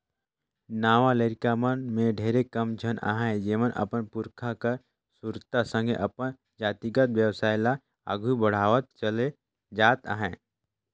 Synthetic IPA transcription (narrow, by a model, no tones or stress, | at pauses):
naːʋaleːɾkamənmẽɖʱeːɾekɐmd͡ʒʱəna̰ːɦɛ̃d͡ʒeːʋənʔɐ̰pənpʊɾkʰakəɾ | suɾt̪asə̃ŋɡʱeʔɐpən | d͡ʒaːt̪iɡət̪ʋjəʋsaːɪla | a̰ɡʱubəɽ̤aːʋət̪̚t͡ʃəle | d͡ʒaːt̪a̰ːɦɛ̃ː